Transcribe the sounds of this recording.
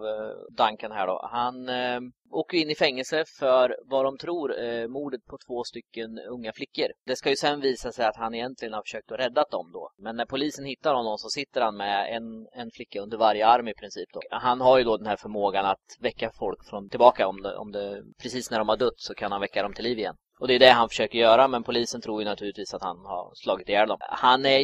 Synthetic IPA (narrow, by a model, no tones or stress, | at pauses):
vd̪aŋkənɦæ̰ːɖɔ̰han | oːkːəjɪnːɪfɛŋːəlsəfœɾvad̪ɔmt̪ʰɾuːɾmuːɖət̪̚pʰɔt̪ʰv̥oːst̪ʏkːənɵŋːaflɪkːəɾd̪̥ɛskajɵsɛnviːsasɛjat̪hanɪjɛnt̪lɪɡənhaɾfœ̥ʂøːk̚t̪ɔɾɛd̪ːat̪̚d̪ɔmd̪ɔ̰mɛnːæɾpʰʊliːsənhɪt̪ːaɾhɔnːɔmsɔsɪt̪ːəɾhanmɛɛnɛnflɪkːaɵnd̪əɾvaɾjəaɾmɪpʰɾɪnsiːp̚d̪ɔ̰hanɦaɾjɵd̪ɔd̪ɛnhæːɾfœɾmoːɡanat̪vɛkːafɔlkfɾɔnt̪ʰɪlbɑːkaɔmd̪ɛ̰ɔ̰md̪ɛpʰɾɛsiːsnæɖɔmvaɖɵt̪ːsɔkʰanhanvɛkːad̪ɾɔmt̪ʰɪlːiːvɪjɛ̰nː | ɔd̪ɛjɵd̪ɛɦanfœ̥ʂøːkəɾjœːɾamɛnpʰʊliːsənt̪ʰɾuːjɵnat̪ʰʉːlɪt̪viːsat̪ha̰nha̰ɾslɑːɡɪt̪ɪjæːɾd̪ɔmhanæ